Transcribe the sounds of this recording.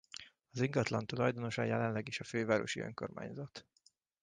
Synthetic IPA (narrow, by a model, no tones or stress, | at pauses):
ɒziŋɡɒt̪lɒnt̪ulɒjd̪o̞no̞ʃɒjjɛlɛnlɛɡiʃɒføːvaːɾo̞̰ʃiø̰ŋko̞rma̰ːɲzɒt̪